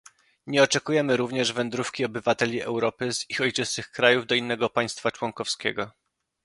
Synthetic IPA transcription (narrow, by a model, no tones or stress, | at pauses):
ɲɛɔt͡ʂɛkujɛmɘɾuvɲɛʐvɛnd̪ɾufkʲiɔbɘvat̪ɛlʲiɛwɾɔpɘzixɔjt͡ʂɘsɘxkɾajuvd̪ɔinːɛɡɔpaj̃st̪fat͡ʂwɔŋkɔfskʲɛɡɔ